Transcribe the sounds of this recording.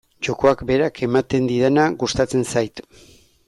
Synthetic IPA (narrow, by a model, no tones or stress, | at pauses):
t͡ʃoko̞akbe̞ɾakʰe̞mat̪e̞nd̪iðenaɣust̪at͡se̞nsajt̪